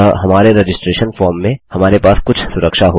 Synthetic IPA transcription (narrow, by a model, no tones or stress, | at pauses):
ɦɐmaːɾeɾed͡ʒɪsʈɾeːʃənfɔːɾmːẽhɐmaːɾepaːskʊt͡ʃʰsʊɾəkʃaɦo